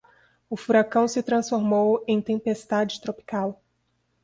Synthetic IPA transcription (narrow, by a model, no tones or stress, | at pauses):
ʊfuɾakɐ̃w̃sɪt̪ɾɐ̃sfoɾmowẽj̃t̪ẽpest̪ad͡ʒɪt̪ɾopi̥kaw